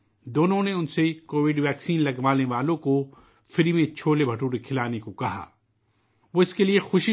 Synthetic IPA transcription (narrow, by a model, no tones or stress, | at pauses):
d̪oːnõneʊnsekoːʋɪɖʋɛːksiːnlɐɡʋaːlneʋaːlõko | fɪɾimẽt͡ʃʰoːlebʱɐʈuːɽekʰɪlaːnekokɐɦa̰ː | ʋoɪskeliexʊʃi